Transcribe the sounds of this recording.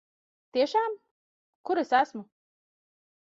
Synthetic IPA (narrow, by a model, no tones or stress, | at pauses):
t̪iɛʃaːm | kuɾesæsmu